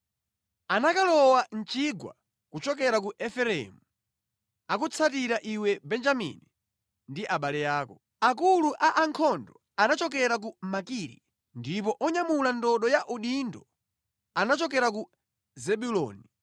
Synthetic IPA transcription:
anakalɔwan̩t͡ʃiɡwa̰ | kut͡ʃɔk̬ɛɾak̬uʔɛfɛɾɛ̰mu | akut͡sʰat̬iɾaʔiwɛbɛnd͡ʒamḭni | ndiʔaɓalɛjaːkɔ | ak̬uluʔaʔaŋkʰɔndɔ | anat͡ʃɔk̬ɛɾak̬umakiɾḭ | ndip̬ɔʔɔɲamulandɔɗɔjaʔuɗindɔ | anat͡ʃɔkɛɾak̬u | zɛɓulɔ̰ːni

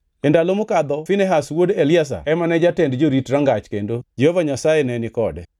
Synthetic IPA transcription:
endalomʊkad̪ɔfɪnɛɦaswodelɪas̬a̰ɛmanɛd͡ʒatɛndd͡ʒoɾitɾaŋɡat͡ʃkendod͡ʒehovaɲasajenɛnɪkɔdɛ

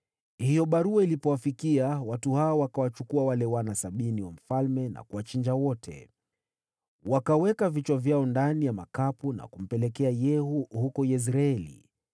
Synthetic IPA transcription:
hijɔɓaɾuailipɔwafikiawatuhaɔwakawat͡ʃukuawalɛwanasaɓiniwam̩falmɛna̰kuwat͡ʃiɲd͡ʒawɔtʰɛ̰ | wakawɛkavit͡ʃwavjaɔndanijamakapuna̰kum̩pɛlɛkɛajɛhuhukɔjɛs̬ɾaɛlḭ

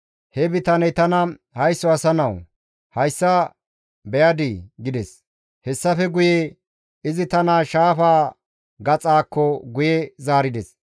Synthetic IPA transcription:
hɛbɪt̪ɐnɛt̪ɐnɐ | hɐjsːɔɐsɐnɐw | hɐjsːɐ | bɛjɐd̪iɡɪd̪ɛs | hɛsːɐfɛɡʊje | ɪzɪt̪ɐnaːʃaːfaː | ɡɐt͡sʼaːkːɔɡʊjɛzaːɾɪd̪ɛs

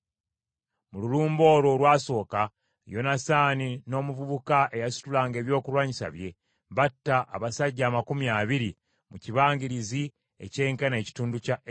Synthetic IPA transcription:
mululuːmbo̞ːɾo̞lwaːso̞ːka | jo̞nasaːnino̞ːmuvuβukaʔe̞jasu̥tulaːŋɡe̞ːβjo̞ːkulwaːɲisa̰βje̞ | βatːaʔaβasaɟːaːmakumjaːβiɾi | muciβaːŋɡiɾizi | ḛce̞ːŋkane̞ːci̥tuːnduca

